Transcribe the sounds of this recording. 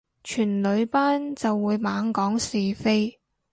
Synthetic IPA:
t͡ʃʰyː˨˩nlɵ˨˧ɥpaː˥nt͡sɐ˨wːuː˨˧jmaː˨˥ŋkɔː˨˥ŋsiː˨˩fe˥j

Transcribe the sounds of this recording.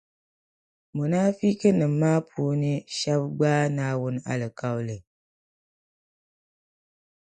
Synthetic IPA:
mu˨naː˦fi˦kɨ˦nɨ˨m˨mːaː˦pʰu˦nɨ˦ʃa˦bɡ͡baː˦naː˦wʊ˦n˦a̰˨lɨ˨ka˦wlɨ˨

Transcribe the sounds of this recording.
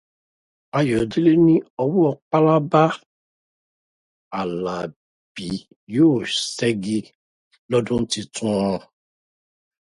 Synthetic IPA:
a˧jɔ˨di˦le˦nĩ˦ɔ˧wu˦ɔ˧k͡pa˦la˦ba˦ | a˨la˨ | b̥i˨˦ | joː˦˨sɛ˦ɡi˧ | lɔ˦dũ˦n̩˦ti˧tũ˦ɔ̃˧

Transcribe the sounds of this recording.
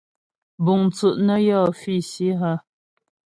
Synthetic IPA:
bu˨ŋt͡su˨ʔnə˦jɔ˦˨fi˦˨si˦ɦə˦˨

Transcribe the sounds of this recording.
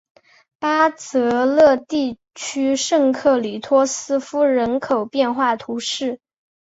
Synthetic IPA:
pa˥t͡sɤ˧˥lɤ˥˧t̪i˥˩ | t͡ɕʰy˥ʂɤ˥˧ŋkʰɤ˥˩li˨˩t̪ʰwɔ˥sɹ̩˥fu˥ɻə˧˥nkʰo˨˩ʊpjɛ˥˧nxwa˥˩t̪ʰu˧˥ʂɻ̩˥˩

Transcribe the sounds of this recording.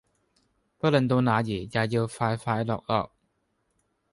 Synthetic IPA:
pɐ˥lə˨nt̪̬o˧wnaː˨˧jiː˨˩jaː˨˩jiː˧wfaː˧jfaː˧jlɔː˨k̚lɔ̰ː˨k̚

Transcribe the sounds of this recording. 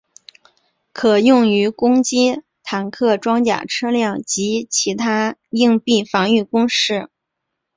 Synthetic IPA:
kʰɤ˨˩jʊ˥˩ŋy˧˥kʊ˥ŋt͡ɕi˥ | t̪ʰa˨˩nkʰɤ˥˩ʈ͡ʂwɑ˥ŋt͡ɕja̰˨˩ʈ͡ʂʰɤ˥ljɑ˥˩ŋt͡ɕi˧˥t͡ɕʰi˧˥t̪ʰa˥i˥˧ŋpi˥˩fɑ˧˥ŋy˥˩kʊ˥ŋʂɻ̩˥˩

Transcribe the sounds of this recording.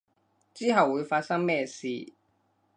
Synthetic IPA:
t͡siː˥ɦɐ˨wːuː˨˧jfaː˧t̚sɐ˥ŋmɛː˥˧sḭː˨˧

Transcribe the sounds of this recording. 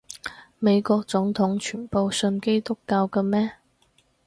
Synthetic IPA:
me˨˧jkɔː˧k̚t͡sʊ˨˥ŋt̪ʰʊ˨˥ŋt͡ʃʰyː˨˩npo˨˧wsɵ˧nke˥jt̪ʊ˥kːaː˧wkɐː˧mɛː˥

